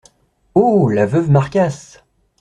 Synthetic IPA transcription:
olavœvmaʁkʲas

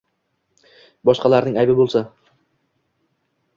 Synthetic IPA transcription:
bɒʃqɑlaɾnɪŋajbɪbolˠsa

